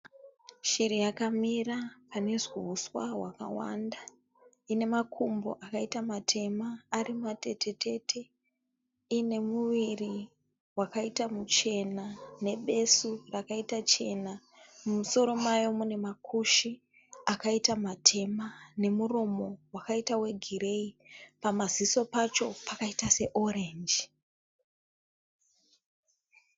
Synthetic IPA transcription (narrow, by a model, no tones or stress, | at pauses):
ʃiɾijakamirapane̞ʐwuuswaɦwaka̰wa̰nda | ine̞makʰumbo̞̰ʔakaitamatʰe̞maːrimate̞te̞tʰe̞tʰe̞ | ine̞muʋiri | wakaitamut͡ʃe̞nane̞ɓe̞surakaitat͡ʃe̞na | mumuso̞ɾo̞majo̞mune̞makʰuʃi | akaitamatʰe̞mane̞muro̞mo̞wakaitawe̞ɡʱiɾe̞ipamaziso̞pat͡ʃo̞pakaitase̞ʔo̞ɾe̞nd͡ʒi